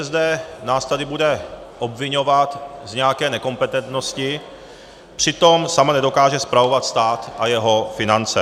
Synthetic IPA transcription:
zdɛːnaːst̪adɪbudɛ | ʔo̞bvɪɲo̞vat̪zɲɛakɛːnɛko̞mpɛt̪ɛnt̪no̞scɪ | pr̥ɪt̪o̞msamanɛdo̞kaːʒɛspɾavo̞vat̪st̪aːt̪ʔajɛɦo̞fɪnant͡sɛ̰

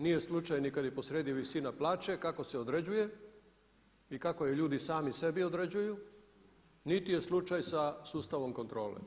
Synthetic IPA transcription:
nije̞slˠut͡ʃajnikad̪jipo̞sɾeːd̪iʋisinaplˠaːt͡ʃe̞kako̞seod̪ɾe̞d͡ʑuje̞ | ikako̞jeʎuːd̪isaːmise̞biod̪ɾed͡ʑuju | nit̪ije̞slˠut͡ʃajsasuːst̪aʋo̞mko̞nt̪ɾo̞ːlḛ

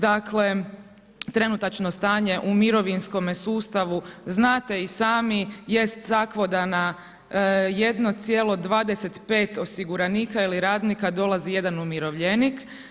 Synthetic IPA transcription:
d̪akle̞ | t̪ɾe̞nut̪at͡ʃno̞st̪aːɲe̞ʔumiɾo̞ʋinsko̞mesuːst̪aʋuznaːt̪e̞isaːmije̞st̪ːakʋo̞d̪ana | je̞d̪no̞t̪sjelo̞d̪ʋaːd̪ese̞t̪pe̞ːt̪o̞siɡuɾaniːkailiɾaːd̪nikad̪o̞lazije̞d̪anumiɾo̞ʋʎenik

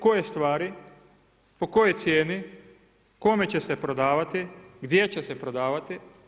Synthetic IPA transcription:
ko̞jest̪ʋaːɾi | po̞ko̞jojt̪sjeːni | ko̞me̞t͡ɕe̞se̞pɾod̪aːʋat̪iɡd̪je̞t͡ɕe̞se̞pɾod̪aːʋat̪i

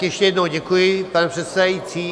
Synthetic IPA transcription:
jɛʃcɛjɛd̪nowɟɛkujɪpanɛpr̥ɛt̪sɛdajit͡siː

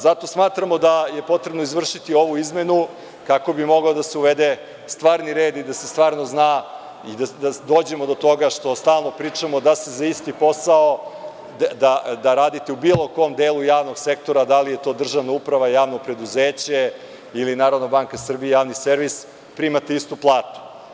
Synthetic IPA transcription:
zat̪o̞smaːt̪ɾamo̞d̪ajepo̞t̪ɾe̞bno̞izʋr̩ʃit̪io̞ʋuizme̞nu | kako̞bimo̞ɡaod̪aseuʋed̪e | st̪ʋaːɾniɾeːd̪id̪asest̪ʋaːɾno̞znaː | id̪ad̪ad̪o̞ːd͡ʑe̞mo̞d̪o̞t̪o̞ɡaʃt̪o̞st̪aːlˠno̞pɾiːt͡ʂamo̞d̪asezaist̪ipo̞sao | d̪ad̪aɾaːd̪it̪eubiːlˠo̞ko̞md̪eːlˠujaːʋno̞ɡsekt̪o̞ɾad̪alije̞t̪o̞ːd̪r̩ʒaʋnaupɾaʋajaːʋno̞pɾe̞d̪uzeːt͡ɕe | ilinaːɾod̪nobaːŋkasr̩bijejaːʋniseɾʋis | pɾimat̪eist̪uplˠaːt̪u̥

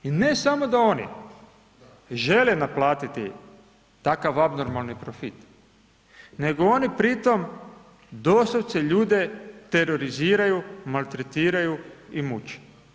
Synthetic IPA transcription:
ine̞samo̞d̪ao̞nḭ | ʒe̞lenaplaːt̪it̪ḭ | t̪akaʋabno̞ɾmalˠnipɾofit̪ | ne̞ɡoo̞nipɾit̪o̞m | d̪osoʋt̪seʎuːd̪e̞t̪e̞ɾo̞ɾiziːɾajumalˠt̪ɾet̪iːɾajuimut͡ʃe̥

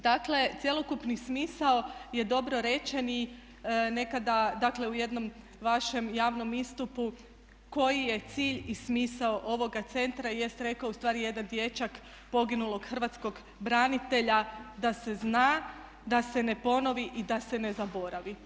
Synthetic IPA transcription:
d̪akle̞t̪sʲjelo̞kupnismiːsaoje̞d̪o̞bɾo̞ɾe̞t͡ʃe̞ni | ne̞kad̪ad̪akle̞uje̞d̪no̞m | ʋaʃe̞mjaːʋno̞mist̪upu | ko̞jije̞t̪siːʎismiːsaoʔo̞ʋo̞ɡat̪se̞nt̪ɾaije̞st̪ɾe̞kaoust̪ʋaːɾije̞d̪and̪je̞t͡ʃak | po̞ɡinulˠo̞ɡ̥xər̩ʋat̪sko̞ɡ | bɾanit̪e̞ʎad̪ase̞znaː | d̪ase̞ne̞po̞no̞ʋiʔid̪ase̞ne̞zabo̞ɾaʋi

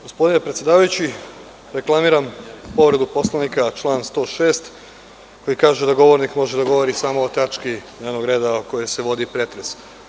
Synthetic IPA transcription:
ɡospod̪ine̞pɾet̪sʲjed̪aːʋajut͡ɕi | ɾe̞klˠamiɾampo̞ʋɾe̞d̪upo̞slˠanikat͡ʃlˠaːnst̪o̞ːʃe̞ːst̪ | ko̞jikaːʒed̪aɡo̞ʋo̞ɾnikmo̞ʒed̪aɡo̞ʋo̞ɾisaːmoːt̪at͡ʃkineːɾno̞ɡɾe̞ːd̪aoko̞jese̞ʋo̞d̪ipɾe̞t̪ɾes

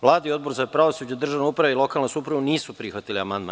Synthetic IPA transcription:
ʋlˠaːd̪aio̞d̪̚bo̞ɾzapɾaʋosud͡ʑad̪r̩ʒaʋneupɾaʋeilˠo̞kalnesupɾuʋuniːsupɾixʋat̪iliamand̪ma̰n

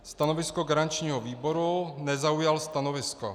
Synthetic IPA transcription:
st̪anovɪskoɡaɾaɲt͡ʃɲiːɦɔviːboɾunɛzaujalst̪anovɪsko̰

